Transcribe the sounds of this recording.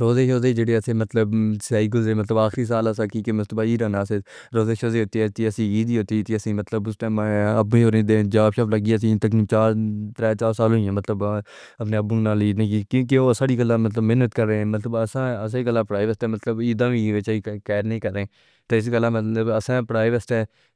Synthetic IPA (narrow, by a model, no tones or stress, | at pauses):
ɾoːzeːʃoːzeːd͡ʒeːɽeːəsẽːmət̪ləbsɛːɪk̬əlzeːmət̪ləbaːxɾiːs̬aːlːs̬ãːkiːkemət̪ləbaːiːɾãːnãːseː | ɾoːzeːʃoːzeːɦoːt̪iɛt̪iːəsĩːiːd̪iːɦoːt̪iːt̪iəsĩːmət̪ləbʊstẽːəbĩːoːɾẽːd̪eːd͡ʒaːbʃaːpləɡiːəs̬ĩːt̪əkĩːt͡ʃaːɾt̪ɾɛːt͡ʃaːɾsaːlõːijãːmət̪ləb | əpneːəbũːnaːliːnẽikjõːk̬eoːsaːɽiːkəlːãːmət̪ləbmɪːnət̪kəɾːẽːmət̪ləbəsãːəsaikəlːãːpɾaːiʋəsʈɛːmət̪ləbiːd̪ãːʋĩːʋet͡ʃːiːkɛːɾnĩːkəɾːẽː | t̪aːɪs̬kəlːãːməəbəsãːpɾaːɪʋəsʈɛː